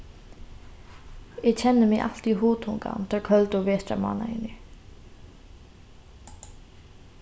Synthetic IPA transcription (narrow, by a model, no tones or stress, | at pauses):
ɛt͡ɕʰɛnːɪmɪʔa̰l̥t̪iɦuːt̪ʰuŋka̰nmt̪ʰɛːɾkʰœlt̪ʊvɛːst̪ɾa̰ma̰ːna̰ɪnːɪ